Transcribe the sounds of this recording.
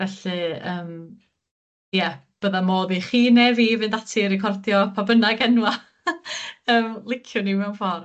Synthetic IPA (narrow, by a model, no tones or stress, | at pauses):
vɛɬɨəːm | jɛb̥əðamoːðiχiːnɛviːvɨndatʰiɾɪkʰɔrdjɔpʰabənaɡɛnwa | əːmlˠɪkʰjʊniwmɛwnfɔrm